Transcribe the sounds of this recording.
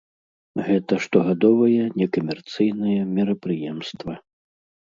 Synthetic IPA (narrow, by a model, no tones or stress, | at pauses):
ɣɛt̪ɐʂt̪ɔɣad̪ɔvɐjɛnʲɛkɐmʲɛrt̪sɨjnɨjɛmʲɛɾɐpɾɨjɛmst̪vɐ